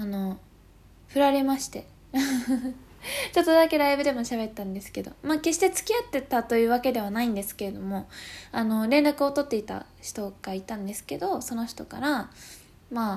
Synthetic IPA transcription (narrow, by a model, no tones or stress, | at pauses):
ano̞ | ɸɯ̟ɾaɾe̞maɕi̥t̪e̞ | t͡ɕo̞t̪ːod̪ake̞ɾaibɯ̟d̪e̞mo̞ɕaβe̞t̪ːãnd̪e̞sɨ̥ke̞d̪o̞̰maːke̞ɕ̬i̥t̪e̞t͡sɨ̥kʲiat̪ːe̞t̪at̪o̞jɯ̟ːβake̞d̪e̞β̞anaĩnd̪e̞sɨ̥ke̞ɾe̞d̪o̞mo̞ano̞ɾẽ̞nɾakɯ̟ot̪o̞t̪ːe̞it̪a̰ | çi̥t̪o̞ɡ̥ait̪ãnd̪e̞sɨ̥ke̞d̪o̞so̞no̞çi̥t̪o̞ka̰ɾa | maː